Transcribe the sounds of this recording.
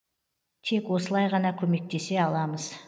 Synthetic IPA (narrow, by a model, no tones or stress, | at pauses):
t̪ʰe̞kʲwo̞səlˠɑjʁɑnɑkʲʰɵme̞k̚t̪e̞se̞ɑlˠɑməz̥